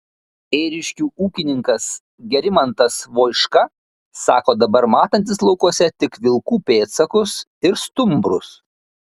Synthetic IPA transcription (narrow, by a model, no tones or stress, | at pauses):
eːɾʲɪʃʲkʲuːʔuːkʲɪnʲɪŋkɐs | ɡʲɛɾʲɪmɐnt̪ɐsʋoːɪʃkɐ | sɑːkoːd̪ɐbɐɾmɑːt̪ɐnʲt̪ʲɪslˠɒʊkuɔsʲɛt̪ʲɪkʋʲɪlˠkuːpʲeːt̪sɐkʊs | ɪɾst̪ʊmbɾʊ̰s